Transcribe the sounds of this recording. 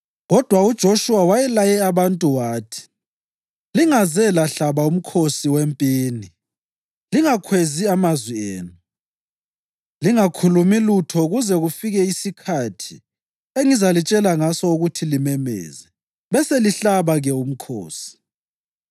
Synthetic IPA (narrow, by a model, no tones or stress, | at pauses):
ɣɔd̥ʱwaud̥ʒ̥ʱoʃuwawajɛlajɛaβantʼuwaːtʰi̥ | liŋazɛlaɬaβaum̩kʰosiwempʼiːni | liŋakʰweziamazwieːnu | liŋakʰulumilutʰɔuɣuzɛɣufiɣɛisikʰatʰi | eŋizalit͡ʃʼɛlaŋasɔuɣutʰilimɛmɛ̰ːzɛ | βɛseliɬaβaɣɛum̩kʰo̰ːsi̥